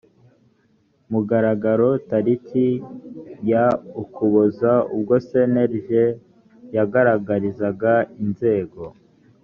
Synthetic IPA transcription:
muɡaɾaɡaɾo̞taɾitʰi | jaukʰuβozaub̚ɡo̞se̞neɾʒe | jaɡaɾaɡaɾizaɡainze̞ːɡo̞

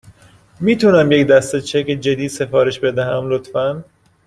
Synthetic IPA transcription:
miːt̪ʰunæmjecd̪æst̪et͡ʃʰeked͡ʒe̞d̪iːd̪se̞fɒːɾe̞ʃbe̞d̪æɦæmlot̪fæn

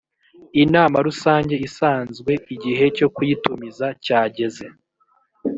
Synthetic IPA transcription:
inaːmaɾusaːɲɟe̞isaːnzɡwe̞ʔiɟiɦe̞co̞kujitumizacaːɟe̞ze̞

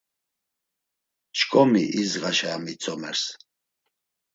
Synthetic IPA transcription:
t͡ʃʰkʼɔmiʔizʁaʃaːmit͡sʰʼɔmɛɾs

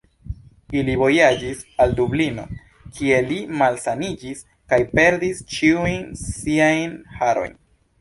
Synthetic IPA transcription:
ilivo̞jad͡ʒisaldublino̞̰ | kʰie̞limalsanid͡ʒis | kajpe̞ɾdist͡ʃiujnsiajnhaɾo̞̰jn

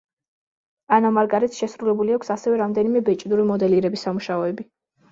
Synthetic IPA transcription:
anamaɾɡaɾɛt̪sʃɛsɾulɛbuliakʷʰsasɛvɛɾamd̪ɛnimɛbɛt͡ʃʼd̪uɾimɔd̪ɛliɾɛbisamuʃaɔɛbi

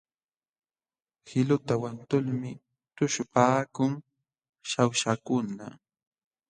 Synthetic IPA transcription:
hɪlʊt̪awant̪ʊlmɪ | t̪ʊʃʊpaːkʊŋ | ʃawʃakʊna̰

